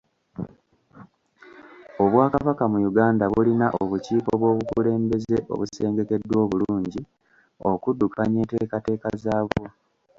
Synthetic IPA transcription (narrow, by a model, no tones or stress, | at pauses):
o̞βwaːkaβakamujuɡaːndaβulinaʔo̞βuciːkoβwo̞ːβukule̞ːmbe̞ze̞ʔo̞̰βuse̞ːŋɡe̞ke̞dːwo̞ːβuluuːɲɟi | o̞̰kudːukaɲe̞ːte̞ːkate̞ːkazaːβwo